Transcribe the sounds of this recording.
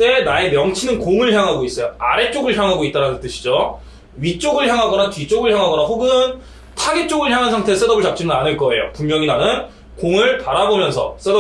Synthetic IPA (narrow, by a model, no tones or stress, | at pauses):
t͈e̞nae̞mjʌŋt͡ɕʰinɯnkoŋɯɭçjaŋɦaɡois͈ʌjoaɾe̞t͡ɕ͈oɡɯɭçjaŋɦaɡoit͈̚aɾanɯnt͈ɯɕʰi̥d͡ʑo | ɥit͡ɕ͈oɡɯɭçjaŋɦaɡʌnat͡ɕɥit͡ɕ͈oɡɯɭçjaŋɦaɡʌnaɸoɡɯn | tʰaɡet͡ɕ͈oɡɯɭçjaŋɦansʰaŋtʰe̞s͈e̞dʌbɯɭt͡ɕak̚t͡ɕ͈inɯnanɯɭk͈ʌe̞jo̰pumjʌŋinanɯn | koŋɯɭtaɾabomjʌnsʰʌ̰s͈e̞dʌ